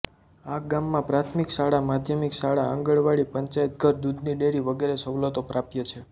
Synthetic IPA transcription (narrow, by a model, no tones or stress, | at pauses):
aɡamːãpɾat̪ʰmikʃaɽamad̪ʱjəmikʃaɽaãŋɡəɭʋaɭipəɲt͡ʃajət̪̚ɡʱəɾd̪ud̪niɖeɾiʋəɡeɾeʃəʋlət̪opɾapjət͡ʃʰe